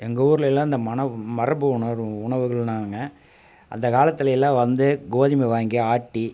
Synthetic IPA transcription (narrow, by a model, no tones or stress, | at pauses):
ɛŋɡɐuːɾɯlɛlːãːɪnd̪ɐmɐɳɐmɐɾɐbɯʊɳɐɾʊɳɐʋɯɣɐɭnaːŋɡɐ | ɐ̰nd̪ɐkaːlɐt̪ːɪlɐjɪlːãːʋɐnd̪ɯɡoːðɪmɐɪʋaːŋɡiaːʈːi